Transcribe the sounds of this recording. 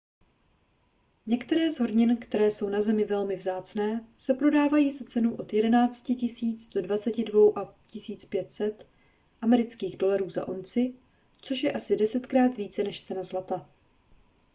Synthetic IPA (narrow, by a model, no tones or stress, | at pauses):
ɲɛkt̪ɛɾɛːzɦo̞ɾɲɪnkt̪ɛɾɛːso̞wnazɛmɪvɛlmɪvzaːt͡snɛːsɛpɾo̞daːvajiːzɛt͡sɛnoʔo̞t̪jɛdɛnaːt͡scɪcɪsiːt͡sd̥odvat͡sɛcɪdvo̞wʔacɪsiːt͡spjɛt̪sɛt̪ | ʔamɛɾɪt͡skiːɣdo̞laɾuːza̰ʔont͡sɪ | t͡so̞ʃjɛʔasɪdɛsɛt̪kɾaːt̪viːt͡sɛnɛʃt͡sɛnazlat̪a